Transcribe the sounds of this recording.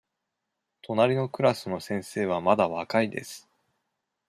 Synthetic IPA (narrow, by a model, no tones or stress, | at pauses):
t̪ʰo̞naɾʲino̞kɯ̟ɾasɨno̞sẽ̞ɰ̃se̞ːβ̞amad̪aβakaid̪e̞̰sɨ̥